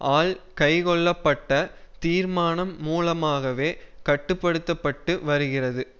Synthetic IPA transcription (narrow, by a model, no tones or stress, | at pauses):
ʔaːlkɐɪkɔɭːɐpːɐʈːɐt̪iːɾmaːnɐmːuːlɐmaːɣɐʋeːkɐʈːɯpːɐɽɯt̪ːɐpːɐʈːɯʋɐɾɯɣɪrɐðɯ